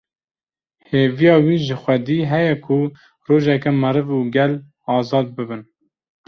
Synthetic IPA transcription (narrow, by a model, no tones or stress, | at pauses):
heːvijɑːwiːʒɨxʷɛd̪iːɦɛjɛkʰu | roːʒɛkɛmɨɾɨvuːɡɛl | ɑːzɑːd̪̚bɨbɨn